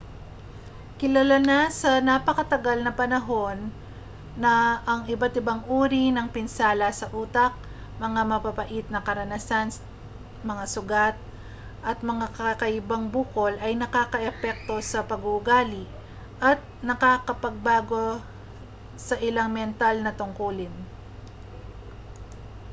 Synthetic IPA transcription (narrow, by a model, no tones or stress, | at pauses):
kɪlɐlanasɐnapɐkɐt̪ɐɡalnɐpɐnɐɦo̞nː | ɐʔːŋɪbat̪ɪbaŋʔuːɾinɐŋpɪnsaːlɐsɐʔuːt̪ɐk̚ | mɐŋamɐpapɐʔit̪̚nɐkɐɾɐnasan | mɐŋasʊɡat̪̚ | ʔɐt̪̚mɐŋakɐkɐʔɪbaŋbuːko̞lʔɐjnɐkaːkɐʔɛpɛk̚t̪o̞sɐpɐɡʊʔɡaːliʔ | ʔɐt̪̚nɐkaːkɐpɐɡ̚baːɡo̞ | sɐʔɪlaŋmɛnt̪alnɐt̪ʊŋkuːlɪn